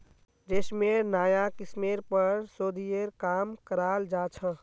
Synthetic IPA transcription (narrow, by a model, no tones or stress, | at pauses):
d͡ʒesmeɾnaːjakɪsmeɾpəɾsoːd̪ijeɾkaːmkəɾaːld͡ʒaːt͡ʃʰə̃